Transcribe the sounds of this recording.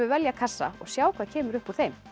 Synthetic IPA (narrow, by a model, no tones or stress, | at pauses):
ʏvɛljakʰasːa̰ɔ̰ɣsjaːwkvacʰɛːmʏɾʏhpuɾ̥θejm